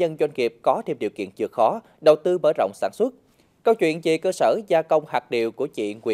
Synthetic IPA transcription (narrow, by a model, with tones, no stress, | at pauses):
ə˧nzwa˧jŋ̟ŋi˨˩əp̚kɔ˨˦t̪ʰe˧mɗḭ˨˩wkḭ˧˨ənt͡ɕɨ˨˩ək̚xɔ˨˦ | ɗə˨˩wt̪ɨ˧məː˧˩jzə̰˧˨wŋ͡msaː˧˩nswə˦˥t̚ | kə˧wt͡ɕwḭ˧˨ənt͡ɕḭ˧˨kəː˧səː˧˩zaː˧kə˧wŋ͡mhaː˨˩k̚ɗi˨˩əwku˧˩ət͡ɕḭ˧˨ŋwi˧˩